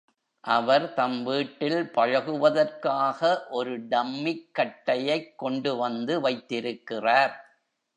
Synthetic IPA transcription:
ʔɐʋɐɾt̪ɐmʋiːʈːɪlpɐɻɐɣɯʋɐðɐrkaːɣɐʔɔɾɯɖɐmːɪkːɐʈːɐjɐɪkːɔɳɖɯʋɐnd̪ɯʋɐɪt̪ːɪɾɯkːɪraːɾ

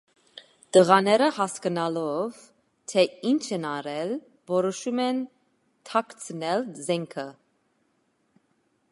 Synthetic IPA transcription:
t̪əʁɑnɛɾəhɑskənɑlɔv | t̪ʰɛint͡ʃʰɛnɑɾɛl | vɔɾɔʃumɛn | t̪ʰɑkt͡sʰənɛlzɛŋkʰə

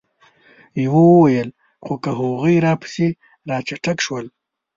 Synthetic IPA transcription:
jawowəwajəl | xokəɦoɣəjɾɑpʰḁsi | ɾɑt͡ʃaʈakʃwəl

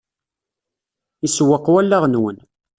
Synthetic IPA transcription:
iswəqːwælːaʁnwən

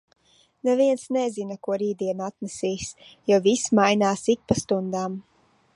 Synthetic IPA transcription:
nɛviɛnsnɛzinakuɔɾiːd̪iɛnat̪nɛsiːsjɔwvismajnaːsik̚past̪und̪aːm

